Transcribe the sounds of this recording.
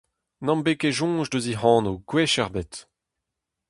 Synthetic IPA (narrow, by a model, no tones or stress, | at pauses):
nɑ̃mbekeʒɔ̃ːʒdøziɦɑ̃ːnoɡwɛʃɛʁbet